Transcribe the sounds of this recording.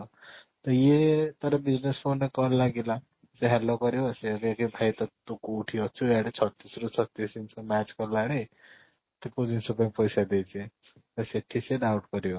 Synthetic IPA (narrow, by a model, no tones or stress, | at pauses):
t̪ʌjet̪ʌɾʌbid͡znespʰonːekʌlaɡila | t͡sãɦallːokʌɾjoʌsekekebʱajt̪ʌt̪ukuːʈʰijot͡sʰuaɽet͡sʰʌt̪ːisɾut͡sʰʌt̪ːisint͡sʰʌmat͡skʌlaɽe | t̪epod͡zinsupãpojsad̪et͡sʰiẽ | ʌseʈʰːiseɖawʈɡʌɾjo